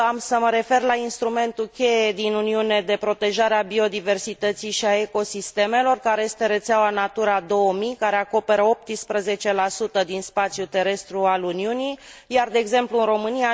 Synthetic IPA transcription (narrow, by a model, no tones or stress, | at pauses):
amsəməɾe̞fe̞rlainst̪ɾume̞nt̪ukʲe̞je̞d̪inuniune̞d̪e̞pɾo̞t̪e̞ʒaɾeabio̞d̪ive̞rsit̪ət̪sijʃiae̞ko̞sist̪e̞me̞lo̞rkaɾe̞je̞st̪e̞ɾe̞t̪seawanat̪uɾad̪o̞əmijkaɾe̞ako̞pe̞ɾəo̞p̚t̪ispɾəze̞t͡ʃe̞lasut̪əd̪inspat̪sʲjut̪e̞ɾe̞st̪ɾualuniunijjard̪e̞ːɡze̞mpluɨnro̞mɨnija